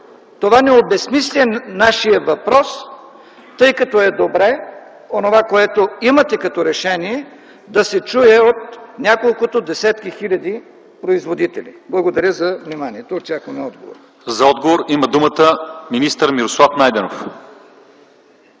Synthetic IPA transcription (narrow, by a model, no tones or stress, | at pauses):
t̪ovanɛobɛsmislʲɛnːaʃijəvɐpɾɔs | t̪ɤjkɐt̪ɔɛd̪obɾɛ | onovakoɛt̪oimɐt̪ɛkɐt̪oɾɛʃɛniɛ | d̪ɐsɛt͡ʃujɛot̪nʲakolˠkʊt̪od̪ɛsɛt̪kixilʲɐd̪i | pɾoizvod̪it̪ɛlʲḭblˠɐɡod̪ɐɾʲəzɐvnimaniɛt̪oːt̪ʲakonɛɔd̪ɡo̰vo̰ɾ | zɐɔd̪ɡovoɾimɐd̪umət̪əminist̪əɾmiɾoslˠafnajd̪ɛnof